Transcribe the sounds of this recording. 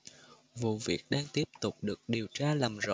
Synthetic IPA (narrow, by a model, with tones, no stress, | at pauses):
vṵ˨vḭ˨˩ək̚ɗaː˧ŋt̪i˦˥əp̚t̪ʊ˨˩k͡p̚ɗɨ˨˩ək̚ɗi˨˩əwt͡ɕaː˧laː˨˩mzo̰˧˨